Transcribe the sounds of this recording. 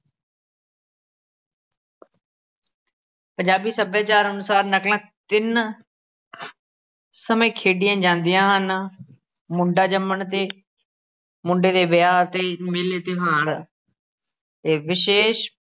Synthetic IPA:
pəɲd͡ʒaːbiːsəbjaːt͡ʃaːɾənʊsaːɾnəklãːt̪ɪn | səmẽːkʰeːɖɪjãːd͡ʒãːnd̪ɪjãːɦən | mʊɳɖaːd͡ʒəmːəɳt̪eː | mʊɳɖeːd̪eːbjaːt̪eːmeːleːt̪eɦaːɽ | t̪eːʋɪʃeːʃ

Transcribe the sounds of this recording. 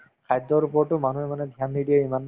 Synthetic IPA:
kʰajdɔɹupɔɹʈʊmanuɛmanɛdʱijanːidiɛimanː

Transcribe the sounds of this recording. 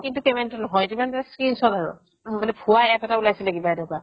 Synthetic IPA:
kintukemɛntunɔɦɔjtimantaskinsɔdaɹṵ | bɔnɛpʰuaɛpɛtaulajsɛlaɡibaɛdɔka

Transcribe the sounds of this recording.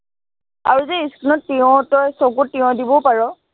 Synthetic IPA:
a̰ɹuzeiskinɔtːiɔ̃tɔjsokʊtːiɔ̃dibɔpaɹɔ

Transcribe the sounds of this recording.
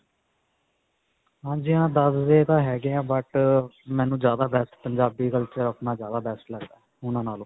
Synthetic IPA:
ɦãːd͡ʒiãːd̪əsd̪eːt̪ãːɦɛːɡɪãːbəʈmɛ̃ːnũːd͡ʒjaːd̪aːbɛːsʈpəɲd͡ʒaːbiːkəlt͡ʃəɾəpnãːzjaːd̪aːbɛːsʈləɡd̪aːɦɛʊnãːnaːlõː

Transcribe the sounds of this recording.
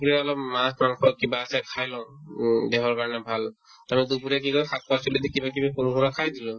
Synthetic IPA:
uɹɛɔlɔpmãspɹaŋkʰɔkibaːsɛkʰajlɔ̃ʊ̃dɛɦɔɹkaɹɔnɛbʱal | amidupuɹɛkikɔjkʰat̚pasuledikibak̬ibakunɦuɹakʰajdilɔ̃

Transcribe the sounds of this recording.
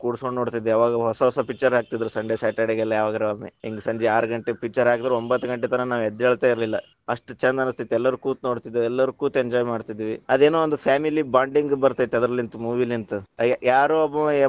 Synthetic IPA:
kuːɽskoɳɖnoːɽt̪id̪eaːʋaːɡɐɦɔsɐɦɔsɐpik̚t͡ʃɐɾɦaːk̚t̪id̪ɐɾusɐɳɖesaːʈeɽeɡɛlːɐjaːʋaːɡɐɾuɐmːḛiŋɡesɐɲd͡ʒeaːɾɡɐɳʈepik̚t͡ʃːɐɾɦaːkid̪ɾuombɐt̪ːuɡɐɳʈːet̪ɐnɐnaːʋɛd̪ːɛɭt̪aiɾlilːɐ | ɐʂʈut͡ʃɐnd̪ɐnust̪it̪ːɛlːɐɾukuːt̪noːɽt̪id̪eɛlːɐɾukuːt̪eɲd͡ʒɔːjmaːɖt̪id̪ːiʋiɐd̪e̞ːnoːond̪upʰaːmilibaːɳɖiŋɡbɐɾt̪iit̪eɐd̪ɐɾɐlint̪umuːʋilint̪ujaːɾoɐbɐe

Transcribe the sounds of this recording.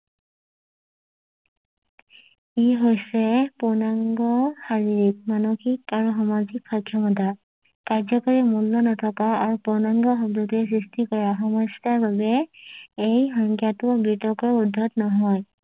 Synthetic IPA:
iɦojsɛpɔnaŋɡɔxaɹiɹik̚manoxikaɹuxɔmazikxɔjkʰːjɔmɔta | kaɹzɔkɔɹimulːɔnɔtʰɔkaaɹupʊɹnaŋɡɔxɔbdutɛs̬ɹistikɔɹaxɔmɔstaɹbabɛ | ejxɔŋkjatʊbitɔkɔɹudʱːɔtnɔɦɔj

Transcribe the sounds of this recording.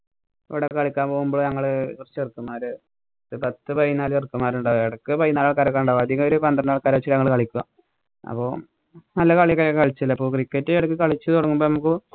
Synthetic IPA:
iʋiɽekɐɭikʲːaːmpoːɣumboɭɲɐŋːɐɭkurt͡ɕːɨirkːɨmaːɾɨ | ðɨpɐt̪ːɨpɐjinaːlerkːɨmaːɾuɳɖaːʋeɽɐkːɨpɐjinaːlɭkaɾɐkːaːnuɳɖaːʋɐd̪ʱjiŋɡɐoɾupɐnd̪rɐnnaːɭkaːɾɐt͡ɕːiɲɐŋːɐɭkɐɭikʲːuɣa̰ | ɐ̰pːo̞ː | nɐlːɐkɐɭijɐkːɐjkɐɭit͡ɕːilːɐipːoːkrikːɐtːɨeɽɐkːɨkɐɭit͡ɕːɨt̪oɽɐŋːumboːnɐmuk̬ːɨ

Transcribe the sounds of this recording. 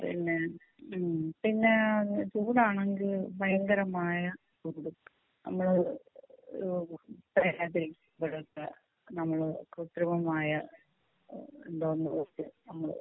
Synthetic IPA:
pḭnːe | pinːe̞t͡ɕuːɽaːɳeŋɡilpɐjɐŋɡɐɾɐmaːjɐt͡ɕuːɽu | nɐ̰mːɐɭ | oɾupɐjɾaːt̪ːiɾikʲːumbeɽut̪ːɐ | nɐmːɐɭkɾut̪ɾɐmɐmaːjɐ | ḛnd̪oːnːuʋet͡ɕːɨnɐmːɐɭ̰

